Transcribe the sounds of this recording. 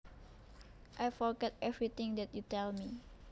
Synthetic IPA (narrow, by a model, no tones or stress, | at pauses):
ʔajfɔɹɡɛt̪̚ɛvɹit̪ɪ̃ŋd̪ɛt̪̚jutɛlmi